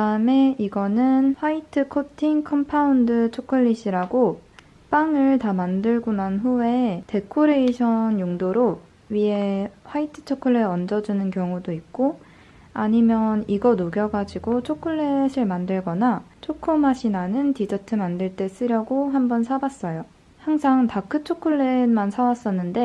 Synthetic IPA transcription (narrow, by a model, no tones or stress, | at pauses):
kɯdaɯme̞iɡʌnɯnɸwaitʰɯkʰotʰiŋkʰʌmpʰaundɯt͡ɕʰokʰɯɭːiɕ͈ʰiɾaɡo | p͈aŋɯɭtamandɯɭɡonanɸue̞te̞kʰoɾe̞iɕʰʌnjoŋdoɾo | ɥie̞ɸwaitʰɯ̥t͡ɕʰokʰɯɭːeʌnd͡ʑʌd͡ʑunɯnkjʌŋudoik̚k͈o | aɲimjʌniɡʌnoɡjʌɡad͡ʑiɡot͡ɕʰokʰɯɭːe̞sʰɯɭmandɯɭɡʌnat͡ɕʰokʰɯmaɕʰinanɯntid͡ʑʌtʰɯmandɯɭt͈e̞s͈ɯɾjʌɡoɦambʌnsʰabas͈ʌjo | haŋsʰaŋtakʰɯt͡ɕʰokʰɯɭːenmansʰawas͈ʌnːɯnde̞